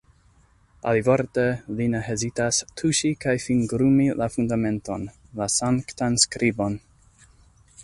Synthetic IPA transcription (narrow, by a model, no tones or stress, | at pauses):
ʔa̰livoɾtelineɦezitastʰuʃikajfinɡɾumilafundame̞nto̞n | lasaŋktanskɾʔibo̞n